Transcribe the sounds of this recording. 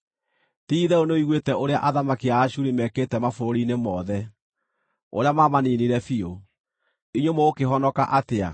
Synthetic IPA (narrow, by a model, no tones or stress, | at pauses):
tiːðɛonoiɣwetɛoɾeaʔaðamakiaːɕuɾimɛketɛmafoɾoɾinemɔðɛ | o̰ɾeamaːmaniniɾɛfio | iɲomɔokeɦɔnɔkaʔatea̰